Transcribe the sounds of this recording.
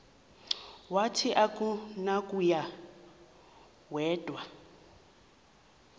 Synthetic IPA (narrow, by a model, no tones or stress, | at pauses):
watʰiʔakʼunakʼuja | wɛːd̥ʱʼwa